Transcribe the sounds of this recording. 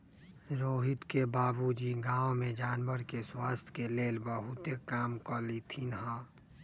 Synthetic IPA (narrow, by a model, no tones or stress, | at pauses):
ɾoːɦɪt̪kebaːbud͡ʒiɡãːõmẽd͡ʒaːnbəɾkeswaːst̪ʰkeleːlbəɦʊt̪ekaːmkəlit̪ʰinɦa